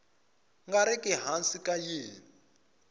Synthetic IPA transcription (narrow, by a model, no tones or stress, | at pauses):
ŋɡaɾɛkʼɛɦansikʼajeːn | i